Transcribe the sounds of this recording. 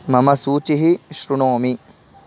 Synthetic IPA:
mɐmɐsuːt͡ʃiɦiʃɾuɳoːmi

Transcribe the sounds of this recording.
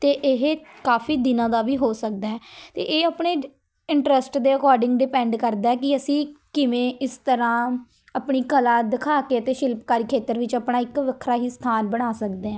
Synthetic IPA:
t̪eːʔɪɦkaːfʰiːd̪ɪnãːd̪aːʋiːɦoːsək̚d̪aːɛːt̪ḛːʔeːaːpɳeː | ɪɳʈɾəsʈd̪eːəkɔːɾɖɪ̃ŋɡɖɪpɛ̃ːɳɖkəɾd̪aːɛːkɪəsĩːkɪʋẽːʔɪst̪əɾãː | əpɳiːkəlaːd̪ɪkʰaːkeːət̪eːʃɪlpkaːɾiːkʰeːt̪əɾʋɪt͡ʃəpɳaːɪkʋəkʰːɾaːɦiːst̪ʰaːnbəɽ̃aːsəkd̪eːãː

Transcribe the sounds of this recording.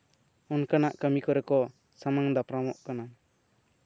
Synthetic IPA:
unkanaʔkəmikɔɾɛkɔ | samaŋd̪apɾamɔʔkana

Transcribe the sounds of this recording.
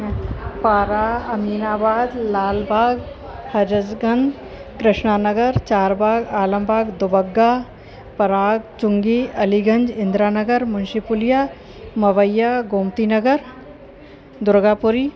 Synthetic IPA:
paːɾaːɐmiːnaːbaːd̪laːlbʱaːɡ | hɐɾəd͡ʒɡənd̪ | kɾɪʃɳaːnɐɡəɾt͡ʃaːɾbʱaːɡaːlə̃mbʱaːɡd̪ʊbɐɡːaː | pɐɾaːɡt͡ʃʊŋɡiɐliɡʱɐ̃nd͡ʒɪ̃nd̪ɾaːnɐɡəɾmʊnʃipʊlijaː | mɐʋəjːaɡoːmt̪inɐɡəɾ | d̪ʊɾɡaːpʊɾiː

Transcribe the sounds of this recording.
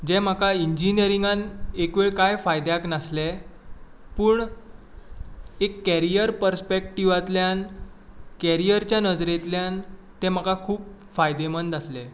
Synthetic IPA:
d͡ʑɛ̃m̤akaiɲd͡ʑinijəɾiŋɡanekʋeɭkajfajd̪jaknasle | puːɳ | ekːæɾijəɾpəɾspek̚ʈiʋat̪ljan | kɛɾijəɾt͡ɕjanəd͡zɾet̪ljan | t̪ɛ̃m̤akakʰuːp̚ | fajd̪emənd̪asle

